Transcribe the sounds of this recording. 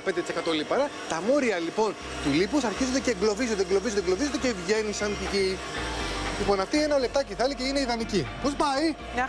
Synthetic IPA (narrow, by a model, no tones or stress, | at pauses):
pend̪et̪isekɐt̪o̞lipɐɾɐt̪ɐmo̞ɾiɐlipo̞n | t̪ulipusɐɾçizund̪eceɡlo̞vizond̪eɡlovizoneɡlo̞vizod̪ecevʝe̞nisɐnt̪ici | lipo̞nɐft̪ienɐle̞p̚t̪ɐciθɐliceineiðɐniciposbɐi